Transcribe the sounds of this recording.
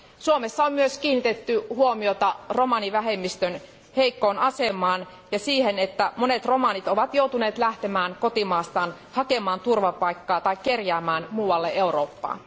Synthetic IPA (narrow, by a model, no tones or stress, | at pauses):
suomesːɑommyøskiːnːit̪et̪ːyhuomiot̪ɑro̞mɑniʋæɦemːist̪øn | heikːoːnɑsemˑɑːn | jɑsiːhenet̪ːæmonet̪ro̞mɑnit̪oʋɑt̪jout̪uneːt̪læht̪emæːnko̞t̪imɑːst̪ɑːn | hɑkemɑːnt̪urʋɑpɑikːɑːt̪ɑikːerjæːmæːnmuːwɑlːeʔeuroːpːɑ̰ː